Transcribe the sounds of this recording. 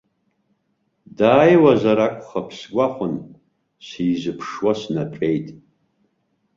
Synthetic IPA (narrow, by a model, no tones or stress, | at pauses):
daːjwazaɾakʷʼχapʰsɡʷʼaχʷʊn | siːzɨpʰʂwasnapʼejtʼ